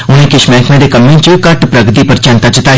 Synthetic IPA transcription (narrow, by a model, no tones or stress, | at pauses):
ʊn̤ẽkɪʃmɛːkʰmẽd̪ekɐmːẽt͡ʃkɐʈpɾɐɡt̪ipɐɾt͡ʃɛ̃nt̪at͡ʃɪt̪aː